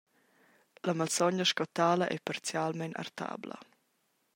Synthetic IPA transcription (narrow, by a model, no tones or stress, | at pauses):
lamalsɔɲəʃkɔt̪aːləʔɛ̰paɾt͡sjalmɛnʔa̰rt̪a̰ːblə̰